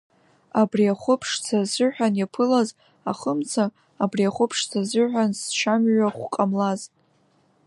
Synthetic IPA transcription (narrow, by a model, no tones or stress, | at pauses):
abriaχʷʊpʰʂt͡sʰazɨħʷᶣanjapʰɨlaz | a̰χəmt͡sʰaː | briaχʷʊpʰʂt͡sʰazɨħʷᶣanst͡ʃʰamɥaχʷqʼamlazʼ